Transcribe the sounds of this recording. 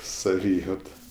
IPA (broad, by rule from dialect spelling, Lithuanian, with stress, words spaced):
sɐˈʋʲiːjɛʊtɐ